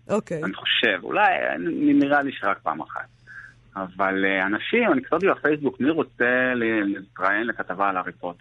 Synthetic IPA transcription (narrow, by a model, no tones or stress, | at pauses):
ʔokeaniχo̞̥ʃe̞vṵlaja̰nininiʁaliʃeʁak̚pa̰ːma̰χa̰t̚ | avaleanaʃimaniktat̪ibafejs̬bukmiʁo̞t͡se̞llitʁajenlekat̪avalaʁifot̪